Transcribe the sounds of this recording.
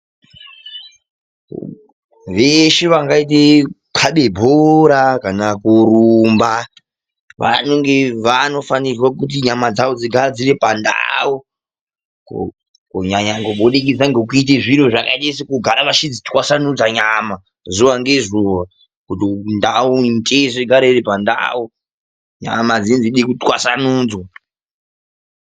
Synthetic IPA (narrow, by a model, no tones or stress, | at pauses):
ʋeʃeʋaŋɡaitekʰaɓe̞bʱoɾakanakuɾumba | ʋa̰noŋɡe̞ʋano̞fanirwakut̬iɲamad͡zawod͡ziɡʱaɾad͡zirepanda̰o | k | kuɲaɲaŋɡoɓoɗek̬id͡zaŋɡek̬uiteʐiɾoʐakaɗesikuɡʱaɾaʋaʃid͡zitwasanud͡zaɲama | zuwaŋɡe̞zuwa | kutindauintʼeʐeɡʱaɾeiripanda̰ːu | ɲa̰mad͡zinziɗekutwa̰sanuːd͡zwa